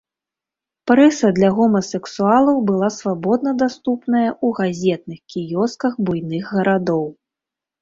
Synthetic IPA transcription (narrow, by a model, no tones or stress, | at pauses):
pɾɛsɐd̪lʲɐɣɔmɐsɛksualˠɐwbɨlˠasvabɔd̪̚nɐd̪ast̪upnɐjɐʔuɣazʲɛt̪̚nɨxkʲijɔskɐxbujnɨɣːɐɾad̪ɔw